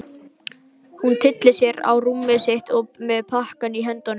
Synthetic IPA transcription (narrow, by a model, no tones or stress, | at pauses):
hunt̪ʰɪt̪lɪsjɛɾa̰wrumːɪseht̪ɔpmɛðpʰahkaniɦɛnt̪ɔnʏ